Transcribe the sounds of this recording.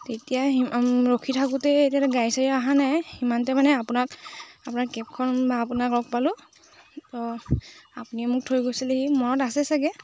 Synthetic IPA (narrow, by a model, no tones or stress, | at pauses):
tetijaiɹokʰitʰakutɛetiatɛɡajsaɹiaɦanajhimantɛmanɛapunakapunaɹkɛp̚kʰɔnbaːpunakɹɔk̚palʊ | tɔ | apuniɛmʊk̚tʰojɡojsilehimɔnɔtasɛsaɡɛ